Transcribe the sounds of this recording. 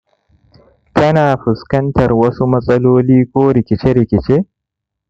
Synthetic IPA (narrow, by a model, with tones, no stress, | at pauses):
tʰɐ˦naː˨ɸʊ˨skɐ˦ntɐ˨rwɐ˦su˦mɐ˦sʼɐ˦loː˦liː˦kʷʼoː˦ɾɪ˨kʲɪ˨t͡ʃe˦ɾɪ˨kʲɪ˨t͡ʃe˦